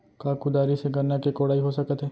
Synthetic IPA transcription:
kaːkud̪aːɾiseɡɐɾnakekoːɽaːiɦosɐkət̪ɦɛː

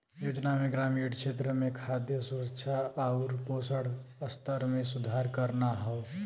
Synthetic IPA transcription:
joːd͡ʒnamẽɡɾaːmiːɽkʃʰeːt̪̬ɾəmẽkʰad̪jəsuɾəkʃʰaaʊɾpoːsəɽəst̪əɾmẽsʊd̪ʱaɾkəɾnaɦɔʊ

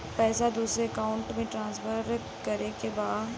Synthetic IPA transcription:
pɛːsad̪uːsɾeəkaːʊ̃ɳʈmẽʈɾãːnsfəɾ | kɐɾekebaːd̪

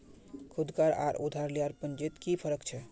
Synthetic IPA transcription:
kʰud̪kaɾa̰ɾʔṵd̪ʱaɾlijaɾpənd͡ʒet̪kipʰəɾəkt͡ʃʰɛ

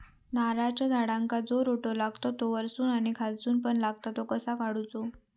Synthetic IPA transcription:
naɾat͡ɕad͡zʱaɽãŋkad͡zoɾoʈolaɡt̪ot̪oʋəɾsuːnaɽ̃ikʰalt͡suːnpəɳlaɡt̪at̪okəsakaɽut͡so

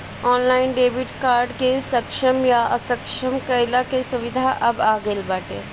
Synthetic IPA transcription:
ɔːnlaːɪnɖeːbɪʈkaːɾɖkesɐkʃəmjaɐ̰səkʃəmkəɪlakesʊʋɪd̪ʱaʔɐbaːɡelbaːʈḛː

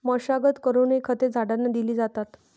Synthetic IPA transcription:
məɕaɡət̪kəɾunekʰət̪ed͡zʱaɽanːad̪iliːd͡zat̪at̪

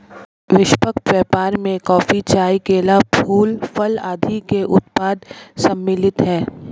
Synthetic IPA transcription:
ʋɪʃpəkʈ̪ʋɛːpaːɾmẽkɔːfit͡ʃaːikeːlapʰuːlpʰəlaːd̪ʱikeʔʊt̪paːd̪sɐmːɪlɪt̪ɦɛː

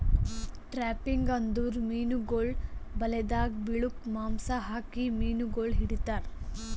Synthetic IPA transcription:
ʈɾaːpiŋɡɐnd̪uːɾmiːnuɡoːɭbɐlɛd̪aːɡbiɭukmaːmsaɦaːkimiːnuɡoːɭɦiɽit̪aːɾ

